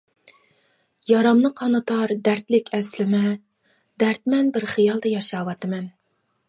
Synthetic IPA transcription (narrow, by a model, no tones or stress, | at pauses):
jɑɾɑmnɨqʰɑnɨt̪ʰɑɾd̪æɾt̪lɪkʲʰɛslɪmɛ | d̪æɾt̪̚mɛnbɪɾχɨjɑlˠd̪ɛjɑʃɑwɑt̪ɨmɛn